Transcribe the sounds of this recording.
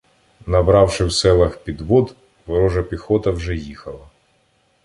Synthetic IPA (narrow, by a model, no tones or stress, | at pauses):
nɐbɾɑwʃɪwsɛlˠɐxpʲid̪ʋɔd̪ | ʋɔɾɔʒɐpʲixɔt̪ɐwʒɛjixɐlˠɐ